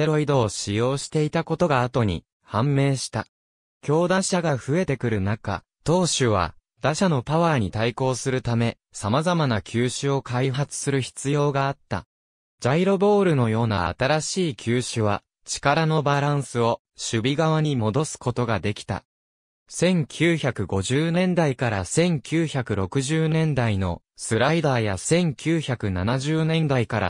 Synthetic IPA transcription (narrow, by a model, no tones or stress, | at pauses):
eɾo̞id̪o̞ːɕijo̞ːɕi̥t̪e̞it̪ako̞t̪o̞ɡaːt̪o̞ɲ̟ḭ | hãmːe̞ːɕi̥t̪a | kʲo̞ːd̪ãɕaɡaɸɯ̟e̞t̪e̞kɯ̟ɾɯ̟naka̰ | t̪o̞ːɕɨβ̞a̰ | d̪̥aɕano̞paβaːɲ̟it̪aiko̞ːsɨɾɯ̟t̪ame̞ | samazamanakʲʰɨːɕɨo̞kaiɦat͡sɨ̥sɨɾɯ̟çi̥t͡sɨjo̞ːɡaːt̪ːa̰ | d͡ʑaiɾo̞bo̞ːɾɯ̟no̞jo̞ːna̰a̰t̪aɾaɕiːkʲʰɨːɕɨβ̞a | t͡ɕi̥kaɾano̞baɾãɰ̃sɨo̞ | ɕɨbʲiɡaβ̞aɲ̟imo̞d̪o̞sɨ̥ko̞t̪o̞ɡad̪e̞kʲi̥t̪a̰ | sẽ̞ŋkʲʰɨːçakɯ̟ɡo̞ʑɨːnẽ̞nd̪aikaɾasẽ̞ŋkʲʰɨːçakɯ̟ɾo̞kɯ̟ʑɨːnẽ̞nd̪aino̞ | sɨɾaid̪aːjasẽ̞ŋkʲʰɨːçakɯ̟nanaʑɨːnẽ̞nd̪aikaɾa̰